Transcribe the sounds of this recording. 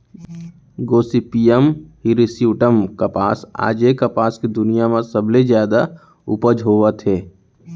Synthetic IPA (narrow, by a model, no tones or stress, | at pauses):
ɡoːsipijəmhiɾisiʊʈəmkapaːsa̰ːd͡ʒekəpaːskid̪ʊnijamãsəbʱlezjaːd̪a | ʊ̰pəd͡ʒʱɦoːʋət̪ʰeː